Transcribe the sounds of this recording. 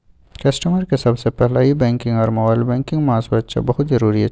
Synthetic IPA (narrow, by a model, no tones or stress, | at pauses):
kɐsʈəməɾkesɐbsepɛɦlaibɛ̃ːŋkɪ̃ŋɡɔːɾmoːbaːɪlbɛ̃ːŋkɪ̃ŋɡmãːsbət̪ʃa̰bɐɦʊt̪zɐɾuːɾiɦɛ